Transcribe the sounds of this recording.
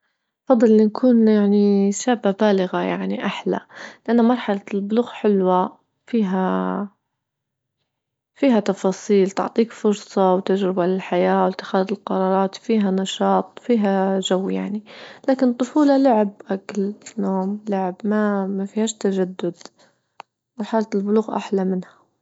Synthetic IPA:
ʔfɑd̪ˤːɨlːinkʰuːnjaʕniʃaːbːabaːlɪɣajaʕniʔaħla̰lɪʔanːamɑɾˤħɑlalbʊluːɣħɪlwa | fiːɦa | fiːɦat̪ɑfɑːsˤiːlt̪ʊ̰ʕt̪ˤiːkfʊɾsˤɑwt̪ad͡ʒɾɪbalɪlħajaːwɪlt̪ːɪ̥xaːðɪlqɑɾˤɑːɾˤɑːt̪fiːɦanɑʃɑːt̪ˤfiːɦaʒawːja̰ʕnilaːkɪnt̪ˤːʊfuːlɑlʊʕɪbʔaklnoːmlʊʕɪbmamafihaːʃt̪aʒad̪ːʊd̪ | mɑɾˤħalalbʊluːɣʔa̰ħlamɪnha

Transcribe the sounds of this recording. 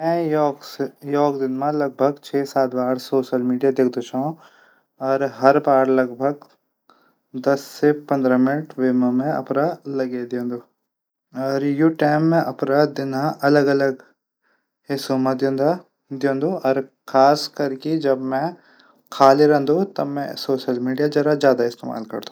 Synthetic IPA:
mɛ̃jɔːksjɔːkd̪ɪnmãlɐɡ̚bʱəɡt͡ʃʰeːsaːt̪baːɽsoːʃəlmiːɖijad̪eːkʰd̪ot͡ʃʰaõ | ɔːɾɦɐɾbaːɾlɐɡbʱəɡ | d̪ɐsːepɐ̃nd̪ɾamɪnəʈʋeːmamẽɐ̰pɾalɐɡed̪iõːnd̪u | ɔːɾjuʈɛːmːẽʔɐpɾad̪ɪnãʔɐləɡɐləɡ | ɦesomãd̪ijõːnd̪a | d̪iõːnd̪ũɔːɾkʰaːskɐɾked͡ʒɐbmɛ̃ | kʰaːliɾɛ̃ɦnd̪ut̪ɐmɛ̰̃soːʃəlmiːɖijad͡ʒɐɾazjaːd̪aɪst̪ḛːma̰ːlkɐ̰ɾd̪ũ̥

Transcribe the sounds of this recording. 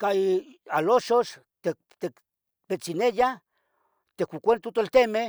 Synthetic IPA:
kaialoʃoʃ | t̪e | t̪ek | pet͡sineja | t̪ekʷukʷent̪ut̪olt̪eme

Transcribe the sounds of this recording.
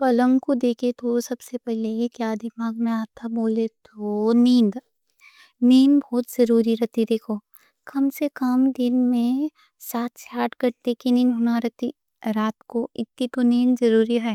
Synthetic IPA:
pɐlə̃ŋkud̪eːkʰet̪ʰosɐbsepɛɦlekjaːd̪ɪmaːɡmẽaːt̪ʰaboːlet̪ʰonĩːnd̪ | niːnbʱɔːt̪zɐɾuːɾiɾɐt̪id̪eːkʰoː | kɐmsekɐmd̪ɪnmẽ | saːt̪ʰsaːʈkɐɾt̪ekiniːnɦʊnaɾɐt̪i | ɾaːt̪koɪt̪ːit̪oniːnzɐɾuːɾiɦɛː

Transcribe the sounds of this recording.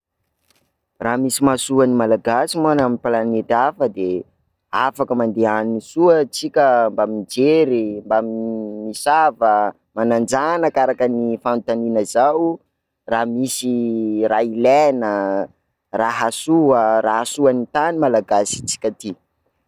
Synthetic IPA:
raːmisimasuənimalaɡasimanaminpalanet̪afəd̪e | afakəmand̪eaninisuət͡sikʲəmbamid͡ʒeɾimbamimisavə | manand͡zanəkaɾakənifant̪aninəzaw | ramisirailenə | raɦasuəraɦasuanit̪animalaɡasi̥t͡si̥kʲət̪i

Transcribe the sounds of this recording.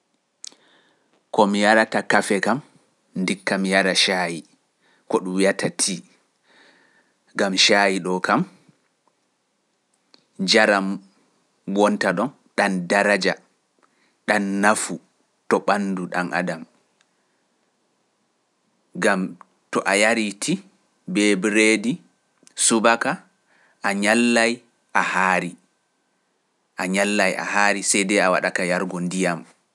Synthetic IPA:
kɔmijaɾatakafɛkam | ndikːamijaɾaʃaji | kɔɗumwijatʰatʰi | ɡamʃajiɗɔkam | d͡ʒaɾam | wɔntaɗɔn | ɗandaɾad͡ʒa | ɗanːafu | tɔɓanduɗa̰nʔa̰dam | ɡam | tɔʔajaɾitʰi | bɛbɾedi | subaka | ʔaɲalːaj | ʔahaːɾi | ʔaɲalːaja̰haːɾisɛjdɛawa̰ɗakajaɾɡɔndijam

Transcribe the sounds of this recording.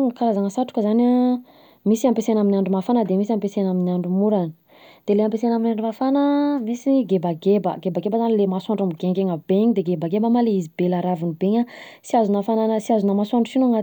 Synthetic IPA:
kaɾazaŋəsaʈ͡ʂu̥kəzana | misiampesenaminʲaɳɖ͡ʐumafanəd̪emisiampesenaminiaɳɖ͡ʐumuɾani̥ | d̪̥eleampesenaminaɳɖ͡ʐumafanəmisiɡebaɡebə̰ɡebaɡebazanilemasuaɳɖ͡ʐamiɡeŋɡeŋabeɲid̪eɡebaɡebamaleizibelaɾavunibeɲa | siazunafananəsiazunamasuaɳɖ͡ʐusinaŋat̪

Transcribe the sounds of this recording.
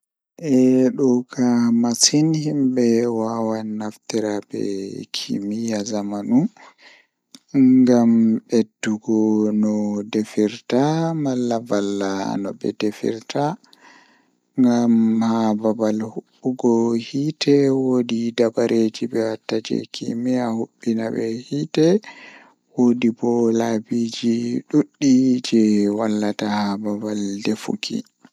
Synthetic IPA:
ʔɛɗɔkʰamasinhimbɛwawanːaftiɾabɛ̰kʰḭmijazamanu | ɡamɓedːuɡɔnɔdefiɾtamalːavalːa̰nɔ̰bɛ̰defḭɾta | ŋɡamhababalhuɓːuɡɔhitʰɛwodidabaɾʔed͡ʒibɛwatːad͡ʒɛ̰kʰḭmɛahuɓːinabɛhitɛ | wodibɔlabid͡ʒiɗuɗːid͡ʒɛwalːatahababaldefṵkʰḭ

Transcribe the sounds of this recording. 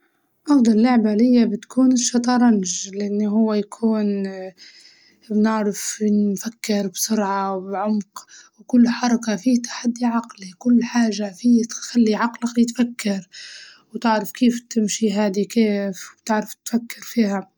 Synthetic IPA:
ʔɑfd̪ˤɑllʊʕbalɪjːabɪt̪kʰuːnɪʃːɑt̪ˤɑɾˤɑnʒlʔanːiɦʊwːajkʰuːn | bnɪʕɾɪfnfakːɪɾbsʊɾʕawbʕʊmqwkʊlːħɑɾˤɑkafiːt̪ʰḁħad̪ːiʕɑqlikʊlːħaːʒːafiːt̪xalːiʕɑqlajɪt̪fakːɑɾ | wt̪ɪʕɾɪfkeːft̪ɪmʃiɦaːd̪ikeːfwbt̪ɪʕɾɪft̪fakːɪɾfiːha

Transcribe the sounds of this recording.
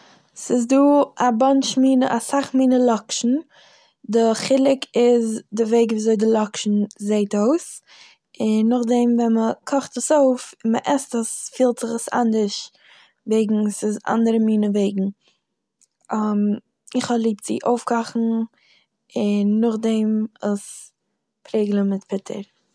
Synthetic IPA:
sɪzduːabanʃmiːnəʔasaχmiːnəlˠɔkʃn̩ | dɪχɪlˠɪkɪzdɪveɪɡviːzoɪdɪlˠɔkʃn̩zeɪtoʊs | ɪnːʊχdɛmvɛnməkʰɔχtəsoʊfɪnməʔɛstəsfiːlˠtz̥ɪχasa̰ndəɾʃ | veɪɡŋ̩sɪza̰ndəɾəmiːnəveɪɡŋ̩ | am | ɪχhɔlˠiːp̚tz̥ḭʔoʊfkɔχn̩ | ɪnːʊχdɛmɪs | pʰɾeɪɡlˠəmɪtpʰɪtʰə̰ɾ

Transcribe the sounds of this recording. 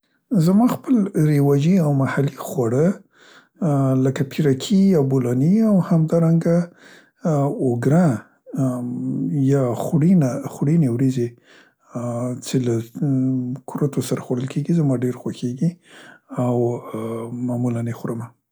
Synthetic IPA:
zamɑxpəlɾewad͡ʒiawmahalixwaɽə | ləkapʰiɾakʰijɑbolɑniawhamd̪ɑɾaŋɡa | ʊɡɾa | jɑxɽinaxɽinewɾize | t͡ʃela | kʰuɾat̪ʰosaɾaxwaɽəlkʰeɡizamɑɖeɾxwaxeɡi | aw | mamulanexɾəma

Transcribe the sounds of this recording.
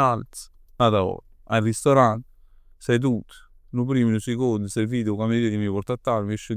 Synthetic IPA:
alt̪s | at̪aɔ̰ɾ | ajrist̪oɾant̪ | sajt̪̬ut̪ː | nupɾiːminusekond̪usɛjviːd̪kameɾiːd̪imipɔrt̪at̪ːaɾmeʃə

